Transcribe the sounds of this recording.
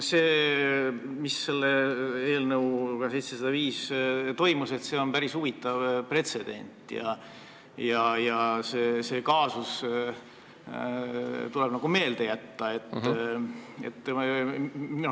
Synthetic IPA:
seː | misːe̞lːeeːlnɤwkɑse̞jt̪sesɑd̪ɑviːst̪o̞jmuse̞t̪se̞o̞npæɾisuvit̪ːˑɑvpre̞t̪se̞d̪̥e̞̰nʲt̪ˑjɑ̰ | jɑjɑseːse̞ːkɑːsus | t̪ule̞b̥nɑɡ̥ume̞ːld̪̥e̞jæt̪ːɑe̞t̪ː | et̪ːˑ | no

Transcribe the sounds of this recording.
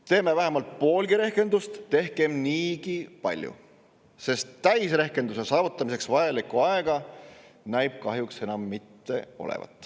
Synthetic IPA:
t̪e̞ːme̞væɦe̞mɑlt̪̚po̞ːlɡiɾe̞hke̞nd̪̥ust̪ːe̞hkemniːɡipɑ̰lʲjṵ | se̞st̪ːæjsre̞hke̞nd̪use̞sɑːvut̪ːˑɑmise̞ksvɑjɑlikːˑuɑeɡ̥ɑ | næjb̥kɑɦjukse̞nɑmːit̪ːe̞o̞̰lḛvɑ̰t̪ːˑ

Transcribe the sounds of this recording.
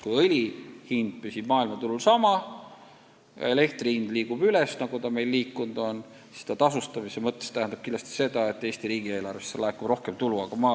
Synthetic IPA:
kujɤlʲihind̪̚pysib̥mɑːilmɑt̪ululsɑmɑ | jɑ̰e̞le̞kt̪rihind̪liːɡub̥ylɛsnɑɡ̥ut̪ɑme̞jlːiːkːund̪̥o̞n | si̥st̪ɑt̪ɑsust̪ɑmisemɤt̪ːest̪æhænd̪ɑb̥̚kind̪lɑst̪i̥se̞d̪̥ɑe̞t̪ːˑe̞ːst̪iɾiːɡie̞ːlɑrvesːelɑekubro̞hkemt̪uluɑɡ̥ɑmɑː

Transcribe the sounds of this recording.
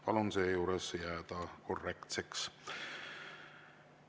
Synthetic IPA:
pɑlunse̞ːjuːɾesjæːd̪̥ɑko̞rːe̞kt̪se̞ks

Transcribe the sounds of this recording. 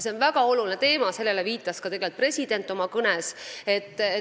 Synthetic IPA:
se̞o̞nvæɡ̥ɑo̞lulinet̪e̞ːmɑse̞lːe̞leviːt̪ːˑɑskɑt̪e̞ɡelt̪pre̞sʲid̪̥e̞nt̪ːˑo̞mɑkɤnese̞t̪ːˑe

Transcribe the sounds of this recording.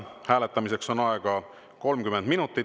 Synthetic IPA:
hæːle̞t̪ːˑɑmise̞kso̞nɑeɡ̥ɑ | ko̞lmkymend̪̥minut̪ːˑi

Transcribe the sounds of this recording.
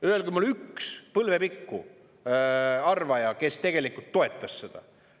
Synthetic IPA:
yelɡymulykspɤlve̞pikːu | ɑrvɑjɑke̞st̪e̞ɡ̥e̞likˑult̪ːo̞e̞t̪ːˑɑssed̪̥ɑ̰

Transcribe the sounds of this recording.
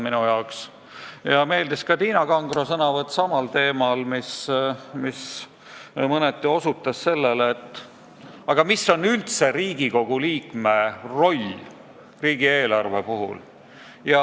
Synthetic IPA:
minujɑoks | jɑme̞ːld̪iskɑt̪iːnɑɡɑŋɡro̞sɤnɑvɤt̪ːˑsɑmɑlt̪e̞ːmɑlmismis | mɤnet̪ˑːio̞sut̪ːˑɑsːe̞lːelet̪ːˑ | ɑɡ̥ɑmisːo̞nːylt̪se̞ɾiːɡiko̞ɡ̥uliːkme̞ro̞lʲ | riːɡ̥ie̞ːlɑrve̞puɦṵl | jɑ

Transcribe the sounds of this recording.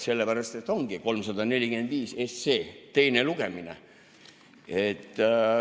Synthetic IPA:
se̞lːepæɾɑst̪e̞t̪ːˑo̞ŋɡ̥iko̞lmsɑd̪ɑne̞lʲiɡ̥e̞nd̪̥viːsesːeːt̪e̞jneluɡ̥e̞minḛ | et̪ːˑ

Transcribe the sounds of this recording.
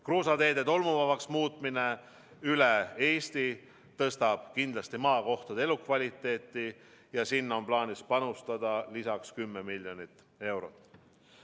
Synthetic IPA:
kroːsɑt̪e̞ːd̪et̪o̞lmuvɑvɑksmuːt̪ˑmine̞ | yle̞e̞ːst̪i | t̪ɤst̪ɑb̥kind̪lɑst̪imɑːko̞ht̪ɑd̪e̞lukvɑlʲit̪ːˑe̞ːt̪ːˑijɑsinːo̞nplɑːnispɑnust̪ɑd̪̥ɑlisɑkskymːemilʲjo̞nit̪ː | e̞wɾo̞t̪ˑː

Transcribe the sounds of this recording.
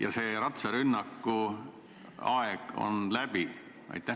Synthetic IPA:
jɑ̰seːɾɑt̪seɾynːɑkːu | ɑeɡ̥o̰nlæb̥i | ɑ̰jt̪ːˑæ

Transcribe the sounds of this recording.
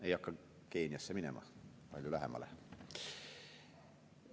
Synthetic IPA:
eijɑkːɑ | keːniæsːeminemɑ̰ | pɑlʲjolæhḛmːɑ̰lḛ

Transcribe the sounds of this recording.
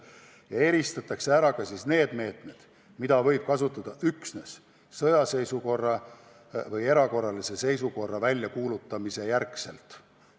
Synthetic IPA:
jɑe̞ɾist̪ɑt̪ˑːɑkse̞æɾɑkɑsiːsne̞ːd̪̥me̞ːt̪ˑme̞d̪̥ | mid̪ɑvɤ̞jb̥kɑsut̪ːˑɑd̪̥ɑʔyksne̞s | sɤjɑse̞jsuko̞rːɑ | vɤje̞ɾɑko̞rːɑlise̞se̞jsuko̞rːɑvælʲjɑkuːlut̪ːˑɑmise̞jærkse̞̰lt̪ˑ

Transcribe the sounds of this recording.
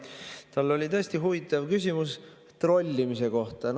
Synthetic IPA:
t̪ɑlːo̞lʲit̪ɤ̞esʲt̪iɦuvit̪ːˑɑvkys̬ʲimus | t̪ro̞lʲːimise̞ko̞ht̪ɑn

